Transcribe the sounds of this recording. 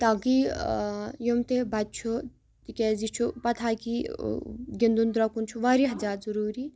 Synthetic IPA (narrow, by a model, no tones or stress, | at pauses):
t̪aːki | jomt̪ebɐt̪̚t͡ʃʰu | t̪ikʲɛzit͡ʃʰupɐt̪ʰaːki | ɡʲind̪und̪ɾakunt͡ʃʰuʋaːɾiɦɐzaːt̪zɐɾuːɾi